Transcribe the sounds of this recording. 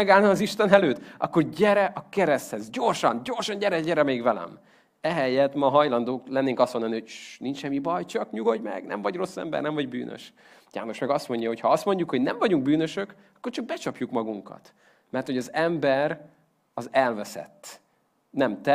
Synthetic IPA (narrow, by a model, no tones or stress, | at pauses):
ɛɡaːlnɒmɒziʃt̪ɛnɛløːt̪ɒ̰kːo̞rɟɛɾɛʔɒkɛɾɛst̪hɛzɟorʃɒnɟo̞rʃɒɲɟɛɾɛɟɛɾɛmeɡvɛlɛ̰m | ɛɦɛjːɛt̪mɒɦɒjlɒnd̪oːklɛnːeːŋkɒst̪ho̞nd̪ɒnihoɟ̥ʃnint͡ʃʃɛmːibɒjt͡ʃɒkɲuɡo̞ɟmɛ̰ɡnɛ̰mvɒɟro̞sːɛ̰mbɛ̰rnɛmvɒɟby̰ːnʔø̰ʃ | ja̰ːno̞ʃmɛɡɒst̪mo̞ɲɟɒɦo̞chɒɒst̪mo̞ɲɟukhoɟnɛɱvɒɟuŋɡ̚byːnøʃøk | ɒkːo̞rt͡ʃɒɡ̚bɛt͡ʃɒpjukmɒɡuŋkɒ̰t̪ | mɛrt̪ho̞ɟɒzɛmbɛɾ | ɒzɛlvɛsɛ̰t̪ː | nɛmt̪ɛ